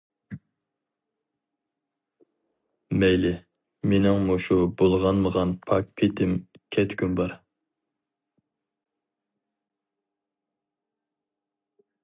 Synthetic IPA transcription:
mɛjlɪ | menɪŋmoʃubolˠʁɑnməʁɑnpʰɑk̚pʰet̪ʰɪm | kʲʰɛt̪ʰkʲynbɑɾ

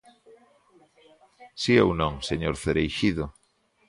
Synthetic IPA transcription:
siewnõŋseɲoɾθeɾejʃiðo

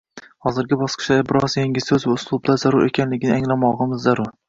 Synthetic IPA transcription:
hɒzɪɾɡʲɪbɒsqʰɨ̥ʃd̪bɪɾɒzjeŋʲɪzsɵzvaʊslˠʊbd̪azaɾʊɾʔe̞kʲʰanlɪɡʲɪnɪaŋlamɒʁɨmɪzːaɾʊɾ

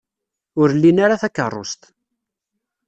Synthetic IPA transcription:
ʊɾlːinaɾaθækːə̰rˤːo̰st̪

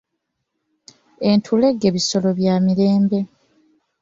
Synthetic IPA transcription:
e̞ntʰule̞ɡːe̞βiso̞lo̞βjaːmiɾe̞ːmbe̞

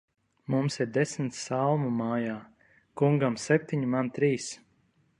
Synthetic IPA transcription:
mumsiɾd̪ɛsm̩t̪sːalˠmumaːjaː | kuŋɡamsɛp̚ʲt̪ʲiɲimant̪ɾiːs

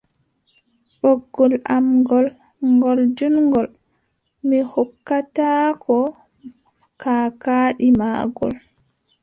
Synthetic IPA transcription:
ɓɔɡːɔlamɡɔl | ŋɡɔld͡ʒunŋɡɔl | mihɔkːataːkʰɔ | kaːkaːɗima̰ːɡɔ̰l

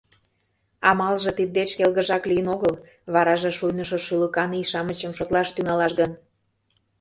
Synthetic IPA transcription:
ɑmɑlʒɤ̆t̪id̪̚ːet͡ɕkelɣəʒɑklijənoɣəl | βɑɾɑʒĕʃujnəʃoʃyləkɑniʃɑmət͡ɕəmʃot̪lɑʃt̪yŋɑlɑʃɣən

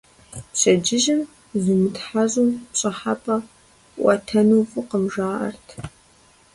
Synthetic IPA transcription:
pɕɐd͡ʒɪʒɪm | zumɨtħaʑʼʊmpɕʼɐħapʼɐ | ʔʷʼɐ̰tʰɐnuːfʼɨqəmʒaːʔɐ̰rtʰ

